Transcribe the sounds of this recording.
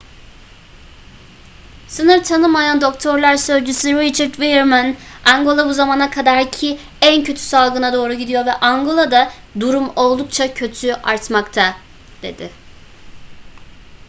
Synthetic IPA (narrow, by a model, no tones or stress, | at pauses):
sɯnɯɾt̪ʰanɯmːajand̪o̞kt̪ʰo̞ɾlʲˠaɾsø̞zd͡ʒysyɾit͡ʃʰɛɾt̪vilˠɛɾmanaŋɡo̞lˠabuzamaːnakʰad̪aɾcʰi | æncʰøt̪ʰy̥salˠɡɯnad̪o̞ːɾuɟid̪ijo̞vɛʔaŋɡo̞lˠad̪a | d̪uɾumo̞lˠd̪uk̚t͡ʃʰacʰø̞t̪ʰyʔaɾt̪makt̪ʰa | d̪̥e̞̰d̪̥ɪ